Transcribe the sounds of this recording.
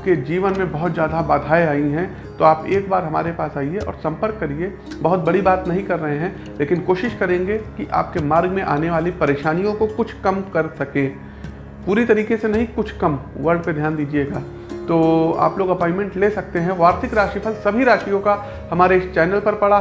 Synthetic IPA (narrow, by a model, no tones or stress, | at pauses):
ked͡ʒiːʋənmẽbɐɦʊt̪d͡ʒjaːd̪ʱabaːd̪ʱaːeaːiɦɛ̃ | t̪oaːpeːk̚baːɾɦɐma̰ːɾepaːsaːieɔ̰ːɾsɐ̃mpəɾkːɐɾie | bɐɦʊt̪̚bɐɽibaːt̪nɐɦĩkɐɾːɐɦeɦɛ̃ | leːkɪnkoːʃɪʃkɐɾẽːŋɡekiʔa̰ːp̚kemaːɾɡmẽʔa̰ːneʋaːlipɐɾeːʃaːnijõkokʊt͡ʃʰkɐmkɐɾsɐkẽː | puːɾit̪ɐɾiːkesenɐɦĩkʊt͡ʃʰkɐmʋɐɾɖped̪ʱjaːnd̪iːd͡ʒieɡaː | t̪oːa̰ːploːɡɐpɔ̃ːɪmẽɳʈleːsɐk̚t̪eɦɛ̃ʋaːɾt̪ʰɪkɾaːʃipʰɐlsɐbʱiɾaːʃijõka | hɐmaːɾeɪst͡ʃɛːnəlpɐɾpɐɽa